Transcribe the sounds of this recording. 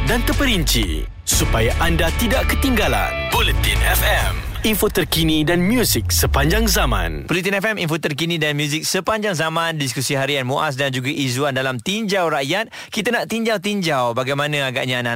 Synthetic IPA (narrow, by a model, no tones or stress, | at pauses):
dant̪əpəɾiɲt͡ʃḭ | supajaʔandat̪idaʔkət̪iŋɡala̰npolit̪inɛfɛminfot̪ərkinidanmjuzik̚səpaɲd͡ʒaŋzamã̰npolit̪inɛfɛminfot̪ərkinĩdanmjuzɪk̚səpaɲd͡ʒaŋzamãndis̬kusiɦaɾianmoʔa̰s̬dand͡ʒuɡaʔizuandalamt̪iɲd͡ʒawɾaʔjat̪̚ | kit̪anaʔt̪iɲd͡ʒawt̪iɲd͡ʒawbaɡajmãnə̃aɡa̰ʔɲãna